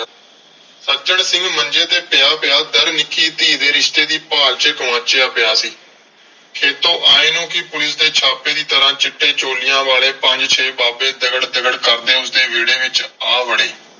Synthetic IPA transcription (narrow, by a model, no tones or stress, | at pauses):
səɾt͡ʃəɳsɪ̃ŋɡmənd͡ʒeːt̪eːpɪjaːpɪjaːd̪əɾnɪkːiːt̪iːd̪eːɾɪʃt̪eːd̪iːpaːlt͡ʃəkəmaːt͡ʃeːaːpɪjaːsiː | kʰeːt̪õːʔaːeːnũːkɪpʊlɪsd̪eːt͡ʃʰaːpeːd̪iːt̪əɾãːt͡ʃɪʈːeːt͡ʃoːlɪjãːʋaːleːpəɲd͡ʒt͡ʃʰeːbaːbeːd̪əɡəɽd̪əɡəɽkəɾd̪eːʊsd̪eːʋiːɽẽːʋɪt͡ʃaːʋəɽeː